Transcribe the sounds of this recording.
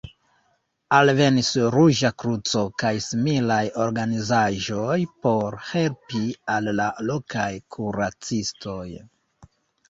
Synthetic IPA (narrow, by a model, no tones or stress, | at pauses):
alve̞nisɾuʒakɾut͡so̞kajsimilajo̞ɾɡanizaʒo̞jpo̞ɾhe̞lpialːalo̞kajkʰuɾat͡sistʰo̞j